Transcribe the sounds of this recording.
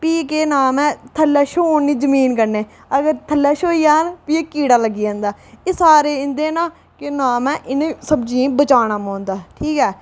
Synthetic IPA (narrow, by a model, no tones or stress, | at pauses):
piːkeːnaːmɛ̃ːt̪ʰəlːɛːʃoːnːiːzəmiːnkəɾneː | əɡəɾt̪ʰəlːɛːʃoːiːaːnpiːeːkiːɽaːləɡːiːãːnd̪aːesaːɾeːɪ̃nd̪eːnaː | kenaːmɛ̃ːʔɪnẽːsəbd͡ʒĩːbət͡ʃaːɽ̃aːmõːnd̪aːʈʰiːkɛː